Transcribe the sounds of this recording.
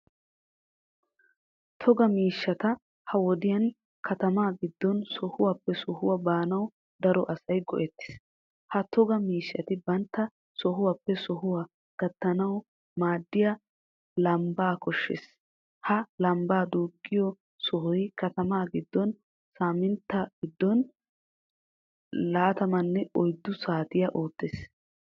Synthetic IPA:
t̪ʰɔɡɐmiːʃːɐt̪ɐ | hɐwɔd̪ɪjɐn | kʰɐt̪ɐmaːɡɪd̪ːɔnsɔhʊwaːpːɛsɔhʊwɐbaːnɐw | d̪ɐɾɔʔɐsɐjɡɔ̰ʔɛt̪ːɪ̥s | hɐt̪ʰɔɡɐmiːʃːɐt̪ɪbɐnt̪ːɐ | sɔɦʊwaːpːɛsɔɦʊwa | ɡ̥ɐt̪ːɐnɐw | maːd̪ːɪja | lɐmbaːkɔʃːḛs | hɐlɐmbaːd̪uːɡːɪjɔ | sɔɦʊjkɐt̪ɐmaːɡɪd̪ːɔn | saːmɪnt̪ːɐɡ̥ɪd̪ːɔn | laːt̪ɐmɐnːɛɔjd̪ːʊsaːt̪ɪjɐʔoːt̪ːes

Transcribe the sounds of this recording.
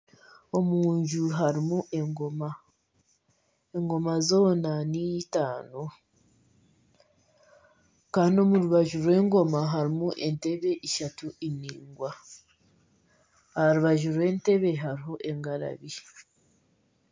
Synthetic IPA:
o̞muːɲʒuɦaɾimuʔe̞ŋɡoma | eŋɡo̞mazo̞ːnanijtaːno | kaːndio̞muɾuβaʒuɾwe̞ŋɡo̞maɦaɾimuʔe̞nte̞βe̞ʔiʃatuʔiniːŋɡwa | haɾuβaʒuɾwe̞nte̞βe̞ɦaɾiɦo̞ʔe̞ŋɡaɾa̰βi

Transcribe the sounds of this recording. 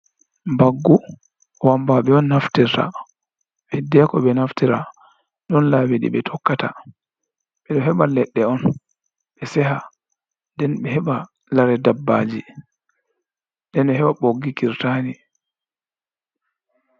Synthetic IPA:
mbaɡːu | wambaɓɛɔnːaftiɾta̰ | ɓɛdɛkɔɓɛnaftiɾa | ɗɔnlawiɗḭɓɛtʰɔkːata | ɓɛɗɔɦɛɓalɛɗːɛɔn | ɓɛsɛɦa | ndɛnɓɛhɛɓa | laɾɛdabːaːd͡ʒi | ndɛnɛɦɛɓaɓoɡːikiɾtani

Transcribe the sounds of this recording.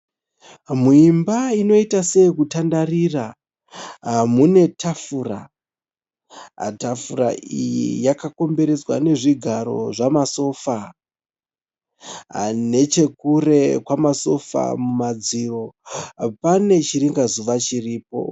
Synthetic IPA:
muimbaino̞itase̞ikutandarira | mune̞tʰafuːra̰ | tafuɾa̰ijḭjakako̞mbe̞ɾe̞d͡zwa̰ne̞ʐiɡʱaɾo̞̰ʐamaso̞ːfa | ne̞t͡ʃe̞kure̞kwamaso̞fa̰mumad͡ziro̞pane̞t͡ʃiɾiŋɡazuʋat͡ʃiriːp̚o̞̰

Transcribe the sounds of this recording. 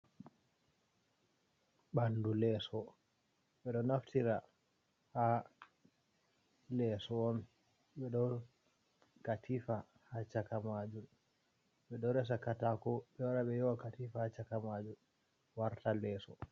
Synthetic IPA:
ɓandulɛsɔ | ɓɛɗɔnaftʰiɾa | ha | lɛsɔːn | ɓɛɗɔ | katʰifa | hat͡ʃakamad͡ʒum | ɓɛɗɔɾɛs̬akatakɔɓɛwaɾaɓɛjɔwakatifahat͡ʃakamad͡ʒun | waɾtalɛːsɔ

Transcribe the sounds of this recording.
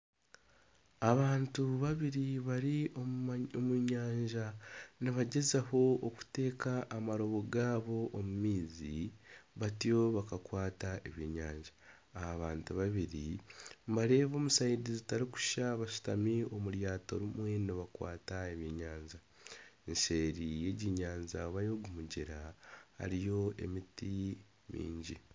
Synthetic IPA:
aβaːntuβaβiɾiβaɾioomuɲaːɲʒaniβaɟe̞zaho̞ːku̥te̞ːkaʔːmaɾo̞βo̞ɡaːβo̞ʔːmumiːzḭβatijo̞βakakwaːtaeβjḭɲa̰ːɲʒaː | haβaːntuβaβiɾimbaɾe̞ːβo̞ːmusaidizitaɾiku̥ʃaβaʃu̥tamiomuɾjaːtoɾimwe̞noβakwa̰ːtaeβjeːɲaːɲza | enʃeɾije̞ɟiɲaːɲzaβajo̞ɡumuɟeɾaha̰ɾijo̞e̞̰miti | mḭːɲɟi

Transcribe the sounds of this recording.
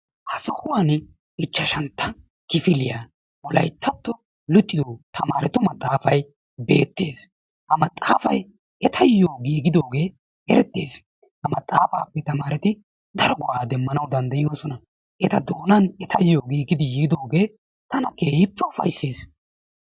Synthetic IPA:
ʔɐsɔhʊwan | ɪt͡ʃːɐʃɐnt̪ːɐ | kɪfɪlɪjaː | wɔlɐ̰jt̪ʰːɐt̪ːɔ | lʊt̪ʼːɪjoːt̪ʰɐmaːɾɛt̪ʊmɐt̪ʼːaːfɐj | be̞̰ːt̪ːe̞ːs | hɐmɐt̪ʼːaːfɐj | ɛt̪ʰɐjːoːɡiːɡɪd̪o̞ːɡe̞ː | ɛɾɛt̪ːeːs | hɐmɐt̪ʼːaːfaːpːɛt̪ɐmaːɾɛt̪ɪ | d̪ɐɾɔɡʊʔaːd̪ɛmːɐnɐwd̪ɐnd̪ɐɪjo̞ːsɔnɐ | ʔɛt̪ɐd̪o̞ːnɐnɛt̪ʰɐjːoːɡiːɡɪd̪ɪjiɡɪd̪o̞ːɡe̞ː | t̪ɐnɐkeːjɪpːɛʊfɐ̰jsːeːs

